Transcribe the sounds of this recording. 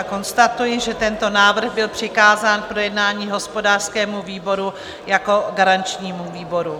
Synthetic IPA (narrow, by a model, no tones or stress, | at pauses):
ko̞nst̪at̪ujɪʒɛt̪ɛnt̪o̞naːvr̩ɣbɪlpr̥ɪkaːzaːnpɾo̞jɛdnaːɲiːɦo̞spo̞daːr̥skɛːmuviːbo̞ɾu | jako̞ɡaɾant͡ʃɲiːmuviːbo̞ɾu